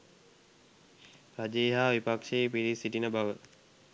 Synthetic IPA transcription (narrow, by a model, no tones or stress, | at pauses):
pɾad͡ʒeːɦaːʋipakʂeːpiɾisiʈinəbaʋə